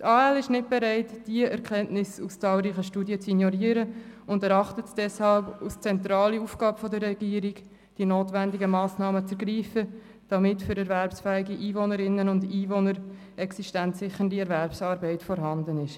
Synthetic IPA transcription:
tɑːɛlɪʃnɪt̚b̥ɛɾɛɪtd̥iəʔɛɾkʰɛntnɪsust͡sɑːlɾiːχəʃtuːdjət͡sinjɔɾiːəɾəʊndɛɾɑχtətd̥ɛshɑlpust͡sɛntɾɑːliuːfɡ̥ɑːbəfɔdəɾːɛɡ̥iːəɾiɡ | d̥inoːtʋændɪɡəmɑːsnɑːmət͡sɛɾɡɾiːfə | d̥ɑmɪtfʏɾɛɾvɛɾpsfɛːɪɡiʔiːvonəɾɪnːənʊndiːvonəɾ | ɛksiʃtæntsɪχəndiɛɾvɛɾpsɑːɾbɛɪtfɔɾɦɑndənɪʃ

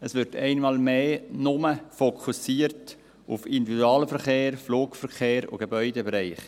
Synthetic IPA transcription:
əsʋɪɾtʰɛɪnmɑːlmeːnʊməfokʰusiːəɾt | ufɪndividuɑːləfəɾχeːɾfloːkfəɾχeːɾʊ̰ɡ̥ebœʏdəbɾɛɪχ

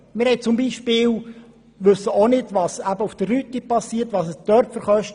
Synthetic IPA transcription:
mɪɾhɛɪt͡sʊmbiːʃpɪːl | ʋʏsəonɪdvɑsæbəufd̥ərɾyt̪ipɑsːiːtʋɑsəsd̥œɾpfəɾχœʃt

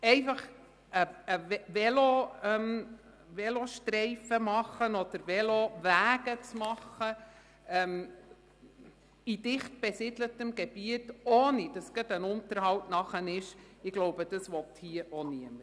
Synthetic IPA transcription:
ɛɪfɑχ | əəʋɛloœm | ʋɛloʃtɾɛɪfəmɑχənɔd̥̪əɾʋɛloʋæːɡət͡smɑχə | ɛm | id̥ɪχt̚b̥ɛsɪdlətəmɡ̥ɛb̥iətoːnid̥ɑsɡ̥ɑdənʊntəɾhɑwtnɑχənɪʃɪɡ̥loʊbəd̥ɑsʋɔt̪hiəʔoniəməɾ

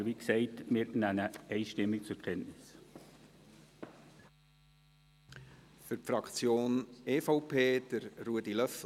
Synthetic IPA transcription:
ʋiksɛɪtmɪɾnænəɛɪʃtɪmːɪk̚t͡sʊɾkʰɛntnɪs | fʏɾpfɾɑkt͡sjoːneːfɑʊpʰeːd̥əɾruədilœf

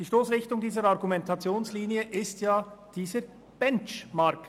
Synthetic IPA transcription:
d̥iːʃtoːsʁɪçtʊŋdiːzəɾɑʁɡumɛntʰɑt͡sjoːnsliːniəʔɪstjaːd̥iːzə | b̥ɛnt͡ʃmaʁk

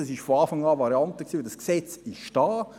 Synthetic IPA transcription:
ɛsɪʃfoɑːfɑŋɑːvɑɾjɑntəksiːdɑsksɛt͡sɪʃd̥ɑː

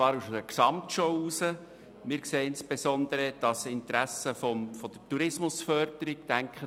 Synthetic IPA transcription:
ɑːɾuʃəksɑmtʃɔʊuːsə | mɪːɾkseːɪnsb̥esɔnd̪əɾəd̥ɑsɪnt̪ɾæsəfɔmfɔd̥̪ətuɾɪsmʊsfœɾd̥əɾiɡ̚tæŋkχə

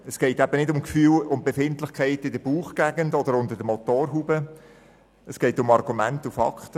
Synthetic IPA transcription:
ɛsɡ̥ɛɪtɛb̥ənɪdʊmkfyːlʊmbefɪntlɪχkχæɪtɪdəb̥uːχɡ̥æɡəndɔdəɾʊndəɾdəmɔtoːɾɦubə | əsɡ̥ɛɪtʊmɑrɡumæntufɑ̰kχt

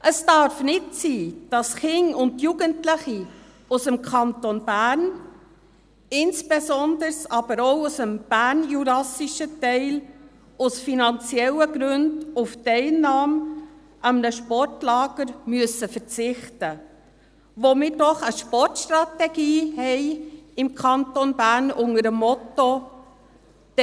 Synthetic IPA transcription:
ʔəsd̥ɑɾfnɪtsiːd̥ɑsχɪŋʊndjuɡəntlɪχi | usəmkʰɑntonb̥æːɾn | ɪnsb̥ezɔndəɾsɑb̥əɾoʊusəmb̥æɾnjuɾɑsiʃətɛɪl | ʊsfinɑnt͡siɛləɡɾʉndʊftɛɪlnɑːm | ʔəmnəʃpɔrtlɑːɡ̥əɾmyəsəfəɾt͡sɪχtə | ʋomɪːɾdɔχəʃpɔrtʃtɾɑtɛɡ̥iːhɛɪɪmkʰɑntonbæːɾnʊŋəɾəmːɔto | d̥

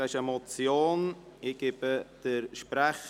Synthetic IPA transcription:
aɪʃəmɔt͡sjoːnɪɡ̥ɪb̥əd̥əɾʃpɾaχ

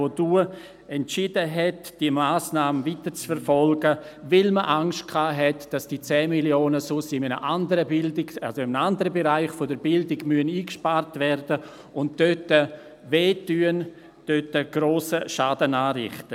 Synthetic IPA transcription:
oduː | ɛntt͡ʃɪd̥əɦɛtd̥iəmaːsnaːmənvitəɾt͡sfɛɾfɔlɡə | vɪlməʔaŋʃtkʰaːɦɛtd̥asd̥it͡sɛːmiljoːnəsʊsɪmənə̰ʔandəɾəbɪldɪɡa̰lsoɪmnandəɾəbeɾaɪχfodəɾbɪldɪɡmyəniːkʃpaɾtvɛrdə | ʊntd̥øtə | veːtyːən | d̥øtəɡ̥ɾoːsəʃaːdənaːɾɪ̰χtə

